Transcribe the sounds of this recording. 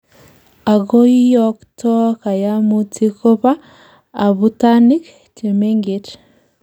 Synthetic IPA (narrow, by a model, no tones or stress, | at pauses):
aɡoijɔktʰɔkajamutʰikopaː | βutanik | t͡ʃemeŋɡet